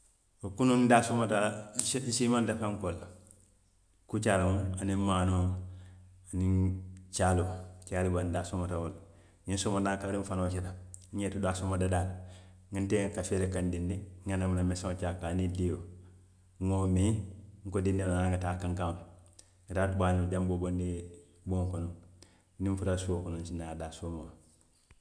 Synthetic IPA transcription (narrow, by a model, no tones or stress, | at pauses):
wokunundasumatan̩simandafaŋkola | kut͡ʃalamuanimano | anit͡ʃalot͡ʃalibandasumatawol | ɲinsomanakaɾiɱfanoːt͡ʃedaɲetudasumadadalŋintekafeɾekandindiŋɡanamunamesaot͡ʃakːanidijo | ŋomiŋkodindinanaŋɡatakːaŋkam | ɡataːtubanid͡ʒambobondi | boŋkunu | niɱfutasokununt͡ʃinadasumo